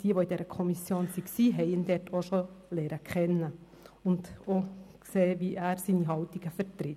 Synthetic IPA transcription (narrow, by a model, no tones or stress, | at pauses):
d̥iːəʋoidɛːɾəkʰɔmisjoːnsiksiːɦɛɪənd̥ɛɾtʰoʃolɛːɾəkʰχɛnːə | ʊndokseːʋiʔæːɾsiːniɦɑltiɡ̥əfəɾtɾɪt